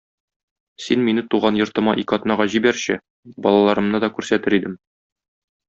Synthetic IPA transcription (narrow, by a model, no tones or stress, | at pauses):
sinminɘt̪uʁɑnjŏɾt̪ɤ̆mɑʔikɒt̪nɑʁɑʑibæɾɕɘ | bɒlˠɑlˠɑɾɤ̆mnɤd̪ɒkʉɾsæt̪ɘɾid̪ɘm